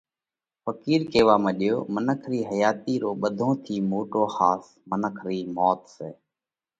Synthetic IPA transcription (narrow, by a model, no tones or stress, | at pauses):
pəkiːɾkeːʋaːmẽːɗɪjo̰ːmənəkʰɾiːɦəjaːt̪iːɾoːɓəd̪ʱõːt̪ʰiːmoːʈoːhaːs | mənəkʰɾiːmɔːt̪seː